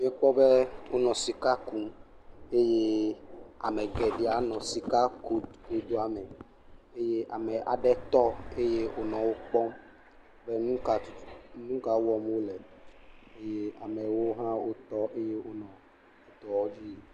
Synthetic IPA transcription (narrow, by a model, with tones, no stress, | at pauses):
mĩ˨˦ɛ˦k͡pɔ˦bɛ˦o˦nɔ̃˨si˨ka˦ku˦ | e˦je˦ | a̰˨mɛ˨ɡɛ˨ɖi˨a˨nɔ̃˨si˨ka˦ko˨ko˨˦d̪o˦a˨mɛ˨ | e˦je˦ʔa˨mɛ˨ʔa̰˨ɖɛ˦t̪ɔ˦e˦je˦ʔo˦nɔ̃˨wo˦k͡pɔ˦m˦ | bɛ˦nũ˦ka˨˦nũ˦ka˨wo˦wɔ˦m˦o˦lɛ˨ | e˦je˦a˨mɛ̃˨wo˦ɦã˦wo˦t̪ɔ˦ʔe˦je˦o˦nɔ̃˨ | u˨t̪ɔ˨wɔ˦d͡ʑi˦e˨